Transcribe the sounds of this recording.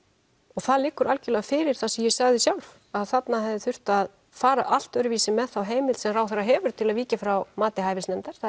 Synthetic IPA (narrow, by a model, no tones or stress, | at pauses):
ɔɣθaðlɪkːʏɾalcɪlɛːɣafɪːɾɪɾ̥θasɛmjɛsaɣðɪsjawlf | aðθat̪naɦɛvðɪθʏr̥t̪að | faːɾa̰ʔal̥t̪œɥɾʏviːsɪmɛðθawɦeːjmɪlsɛmɾrawθaɾaɦɛːvʏɾ̥t̪ʰɪlaðviːcafɾawmaːt̪ɪɦaːjvɪsnɛmt̪aɾ̥θ